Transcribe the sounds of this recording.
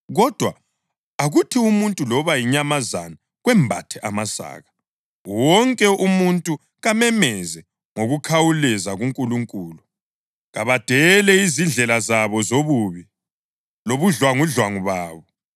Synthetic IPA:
ɣɔd̥ʱwa | aɣutʰiumuntʼulɔβajiɲamazana | ɣwɛmbʱatʰɛʔamasa̰ːɣa | wɔŋkʼɛʔumuntʼu | ɣamɛmɛzɛ | ŋoɣukʰawulɛzaɣuŋkʼuluŋkʼuːlu | ɣaβad̥ʱɛlɛizind͡ɮʱɛlazaβɔzoβuːβi | loβuɮwaŋuɮwaŋuβaːβɔ

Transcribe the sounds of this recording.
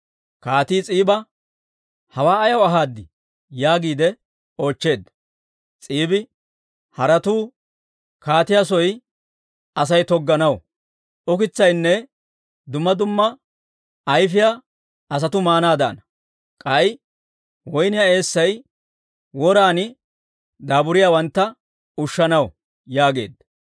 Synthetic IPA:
kaːt̪iːt͡sʼiːbɐ | hɐwaːɐjɐwɐɦaːd̪ːɪ | jaːɡiːd̪ɛ | o̞ːt͡ʃːe̞ːd̪ːɐ̥ | t͡sʼiːbɪ | hɐɾɐt̪uː | kaːt̪ɪjasɔj | ɐs̬ɐjt̪ɔɡːɐnɐw | ʔɔkɪt͡sːɐjnːɛ | d̪ʊmːɐd̪ʊmːɐ | ɐjfɪja | ɐs̬ɐt̪ʊmaːnaːd̪a̰ːnɐ | kʼɐj | wɔjnɪjae̞ːsːɐj | wɔɾaːnɪ | d̪aːbʊɾɪjaːwɐnt̪ːɐ | ʊʃːɐnɐw | jaːɡe̞ːd̪ɐ

